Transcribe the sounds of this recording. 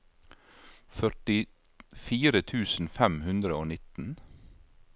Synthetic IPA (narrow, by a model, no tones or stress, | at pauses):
fœʈɪ | fiːɾət̪ʰʉːsn̩fɛmhʉnd̪ɾəoːnɪt̪n̩